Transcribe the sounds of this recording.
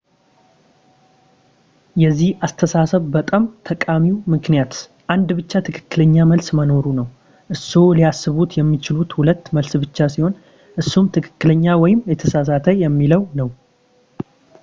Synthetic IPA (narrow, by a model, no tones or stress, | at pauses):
jɛzːihast̪ʰəsasəβbət̪ʼamt̪ʰəkʼamiwmɨknijat̪ | ʔand̪bɨt͡ʃːat̪ʰɨkʰɨ̥kːɨləɲːaməlsməno̞ɾunəw | ʔɨsːuliasːɨβut̪jɛmːit͡ʃɪlut̪hulət̪ːməlsbɨt͡ʃːasiho̞n | ʔɨsːumt̪ʰɨkʰɨ̥kːɨləɲːawɔjɪmjɛt̪ʰəsas̬at̪ʰəjɛmːiləwnəw